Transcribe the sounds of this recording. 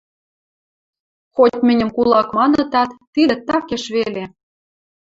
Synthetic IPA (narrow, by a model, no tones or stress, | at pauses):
xotʲmɘ̆nʲə̆mkulˠɑkmɑnɤ̆t̪ɑt̪ːid̪ə̆t̪ɑkeʃβele